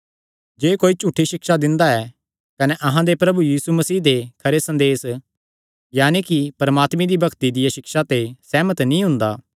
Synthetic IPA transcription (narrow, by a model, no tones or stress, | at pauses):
d͡ʒeːkoːit͡ʃuːʈʰːiʃɪkʃad̪ɪ̃nd̪aɛ | kɐneʔɐɦãd̪epɾɐbujiːsumɐsiːd̪ekʰɐɾesɐ̃nd̪eːs | jaːnekipɐɾɐmaːt̪mẽd̪ibɐkt̪id̪ɪjaʃɪkʃat̪esɛːmət̪nĩɦʊ̃nd̪aː